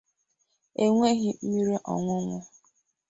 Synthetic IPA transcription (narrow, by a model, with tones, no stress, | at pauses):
e˨ŋʷe˦ɣɪ˦m̩˦mi˦ɾi˦ʔɔ̰˨ŋʷʊ˦ŋʷʊ˦